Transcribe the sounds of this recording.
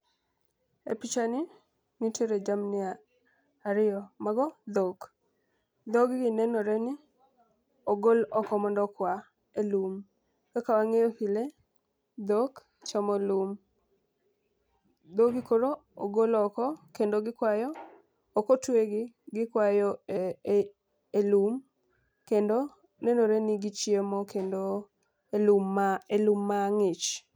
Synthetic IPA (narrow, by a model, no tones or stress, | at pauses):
ḛpit͡ʃani | nitʰeɾed͡ʒamnɪa | aɾɪjɔmaɡɔd̪ok | d̪oɡɡɪnɛnɔɾɛnɪ | ɔɡolɔkɔmɔndɔkwa | elum | kakawaŋejohile | d̪ok | t͡ʃɔmɔlum | d̪oɡɪkoɾooɡolɔkɔkendoɡɪkwajɔː | kotweɡɪ | ɡɪkwajɔe | elum | kendo | nɛnoɾeniɡit͡ʃjemɔkendo | elumaelumːaŋɪt͡ʃ